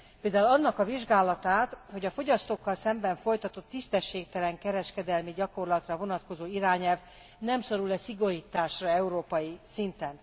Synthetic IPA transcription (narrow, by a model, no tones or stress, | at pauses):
peːld̪aːulɒnːɒkɒviʒɡaːlɒt̪aːt̪ho̞ɟɒfo̞ɟɒst̪oːkːɒlsɛmbɛɱfo̞jt̪ɒt̪o̞t̪ːist̪ɛʃːeːk̚t̪ɛlɛŋkɛɾɛʃkɛd̪ɛlmiɟɒko̞rlɒt̪rɒvo̞nɒt̪ko̞zoːiɾaːɲɛlv | nɛmso̞ɾulɛsiɡo̞ɾiːt̪aːʃrɒɛuɾoːpɒjisint̪ɛn